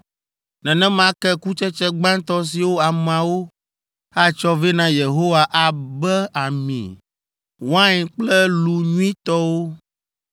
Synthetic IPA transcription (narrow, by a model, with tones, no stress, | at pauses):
nɛ̃˨nɛ̃˦mã˦kɛ˦ku˦t͡ʃɛ˦t͡ʃɛ˦ɡ͡bã˦nt̪ɔ˦s̬i˨wo˦a˨mã˨wo˦ | a˦t͡ʃɔ˦ve˦nã˦je˨ɦo˦wa˨ʔa˨bɛ˦a˨mḭ̃˨ | wã˦ɲ˨k͡plɛ˦lu˨ɲũ˦ĩ˦t̪ɔ˦wo˦